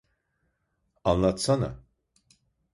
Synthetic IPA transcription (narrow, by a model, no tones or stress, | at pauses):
anlˠat̪sana̰